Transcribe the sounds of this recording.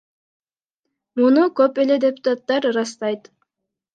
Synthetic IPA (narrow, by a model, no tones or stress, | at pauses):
munukøpe̞le̞d̪ʲe̞pʊ̥t̪at̪ːɑɾɾɑst̪ɑjt̪